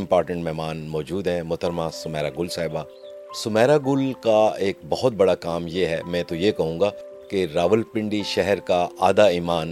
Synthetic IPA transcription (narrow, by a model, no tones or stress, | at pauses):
ɪ̃mpɔːɾʈə̃ɳʈmɛːmaːnmɔːd͡ʒuːd̪ɦɛ̃mʊt̪ʰəɾmasʊmɛːɾaːɡʊlsaːɪbaː | sʊmɛːɾaɡʊlkaeːk̚bɐɦʊt̪̚bɐɽakaːmjeɦɛːmɛ̃t̪ojekɐɦũːŋɡaː | keɾaːʋəlpɪ̃ɳɖiʃɛɦɛɾkaaːd̪aiːmaːn